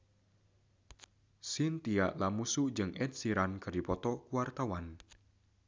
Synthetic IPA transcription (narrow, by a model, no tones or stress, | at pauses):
sint̪iaʔlamusuʔd͡ʒɨŋʔɛt̪̚siɾankardipɔt̪ɔkuwart̪awan